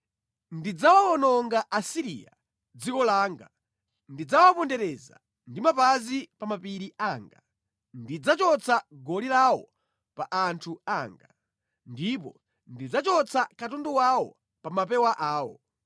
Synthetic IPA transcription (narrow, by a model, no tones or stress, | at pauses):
ndid͡zawaɔnɔŋɡaʔasiɾḭa̰ | d͡zikɔlaːŋɡa | ndid͡zawapɔndɛɾɛza̰ | ndimapazipamapiɾiaːŋɡa | ndid͡zat͡ʃɔt͡sʰaɡɔlilawɔ | paʔantʰuaːŋɡa | ndip̬ɔ | ndid͡zat͡ʃɔt͡sʰakatundɔwawɔ | pamap̬ɛwaʔaːwɔ